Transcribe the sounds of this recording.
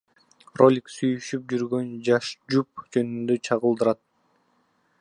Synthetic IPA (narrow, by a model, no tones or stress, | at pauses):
ro̞lʲiksyjyʃyp̚d͡ʒyɾɡø̞nd͡ʒɑʃd͡ʒup̚d͡ʒø̞nynd̪øt͡ʃʰɑʁəlˠd̪ɯɾɑt̪̚